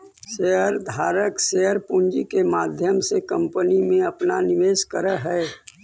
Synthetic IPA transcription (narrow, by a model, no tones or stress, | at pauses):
ʃeɦəɾd̪ʱaːɾəkseɦəɾpuɲd͡ʒikemaːd̪ʱjəmsekɐ̃mpənimẽɐpnanɪʋeːskəɾəɦɛː